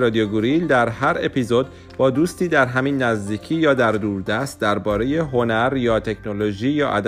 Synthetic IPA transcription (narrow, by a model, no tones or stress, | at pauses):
ɾɒːd̪ioɡuɾild̪æɾɦæɾe̞pʰizo̞d̪̚ | bɒːd̪uːst̪iːd̪æɾɦæmiːnːæzd̪iːcʰiːjɒːd̪æɾd̪uːɾd̪æst̪̚d̪æɾbɒːɾe̞je̞ɦo̞næɾjɒːt̪ʰe̞kʰno̞lo̞ʒiːjɒːʔæ̰d̪